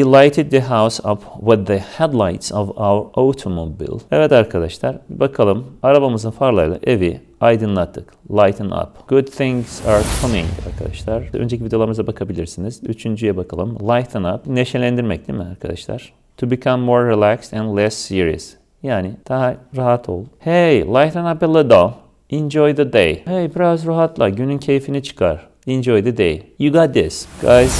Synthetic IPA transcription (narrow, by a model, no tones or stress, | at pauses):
wilˠajt̪ʰɪd̪̚ːɨɦawsapʰwɪðəhɛd̪lˠajt̪sɔvawəɾot̪ʰomobḭlˠɛvɛt̪aɾkʰad̪aʃlˠaɾbakʰalˠɯmaɾabamɯzɯnfaɾlˠajlˠa̰ʔevi | ajd̪ɯnlˠat̪ʰːɯklˠajt̪ʰna̰pɡ̥ʊd̪̚θɪ̃ŋz̥aɹkʰɔnĩŋɡa̰ɾkʰad̪a̰ʃlˠaɾønd͡ʒecʰʲivid̪elˠaɾɯmɯzabakʰabilʲiɾsiniz̥yt͡ʃʰynd͡ʒyjɛbakʰalˠɯmlˠajt̪ʰna̰p̚neʃelʲænd̪iɾmɛc̚d̪imia̰ɾkʰad̪a̰ʃlˠa̰ɾ̥ | t̪ʰubikʰãmːoɹːilˠækstɛ̃nd̪lˠɛsːiɾḭə̰s | jaːnɪd̪̥aɦaɾaɦat̪ʰo̰lˠuhejlˠajt̪napɛlˠɪd̪olˠ | ɛ̃nd͡ʒojðəd̪ḛjhejbiɾazɾaɦat̪lˠaɟynyncʰejfinit͡ʃʰɯ̥kʰaɾ̥ | ɛnd͡ʒojðɨd̪ḛjjuɡat̪̚d̪ɪsɡ̥ajz̥